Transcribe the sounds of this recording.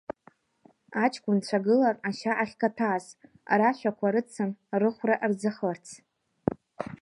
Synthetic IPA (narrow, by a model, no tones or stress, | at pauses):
at͡ʃʰʼkʷʼʊnt͡ɕʷʰaɡɨlaraʃaʔaχʲkʰatʰaːs | a̰ɾaʃʷᶣakʷʰaɾɨt͡sʰɨnrɨχʷraʔrd͡zaχərt͡sʰ